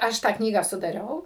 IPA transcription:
ˈɐʃ tɑː ˈknʲiːɡɑː sʊdɐˈrʲɛʊ

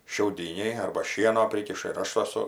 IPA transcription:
ʃʲɛʊˈdʲiːnʲɛɪ ɐrbɐ ˈʃʲiɛnoː ˈpʲrʲiːkʲɪʃɐ ɪr ˈɐʃ ɐˈsʊ

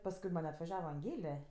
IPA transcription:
pɐsˈkʊɪ mɐnʲ ɐtʋɐˈʒʲæːʋɐ ɐŋʲˈɡʲeːlʲɛ

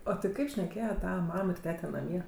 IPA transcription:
oː tʲɪ ˈkɐɪp ʃʲnʲɛˈkʲeːjɛ ˈtɑːʋɐ ˈmɐm ɪr ˈtʲæːtʲɛ nɐˈmʲiɛ

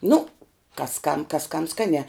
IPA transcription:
nʊ kɐs kɐm kɐs kɐm ˈskɑːnʲæː

